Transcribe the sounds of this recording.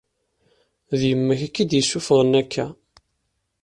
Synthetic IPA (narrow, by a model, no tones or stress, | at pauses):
ðjəmːəçækːid̪jəsːufʁˤənækʰːæ